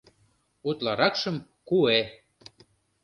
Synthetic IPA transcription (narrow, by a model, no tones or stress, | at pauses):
ut̪lɑɾɑkʃə̆m | kue